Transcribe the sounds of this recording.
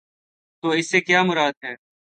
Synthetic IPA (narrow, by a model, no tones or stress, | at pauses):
t̪oːɪsːeːkjaːmʊɾaːd̪̚ɦɛː